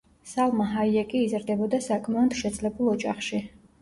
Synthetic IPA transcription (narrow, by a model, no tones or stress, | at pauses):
salˠmaɦaiɛkʼiːzɾd̪ɛbɔd̪asakʼʰmaɔnd̪̥ʃɛd̪zʼlɛbulˠɔd͡ʒʼaχʃi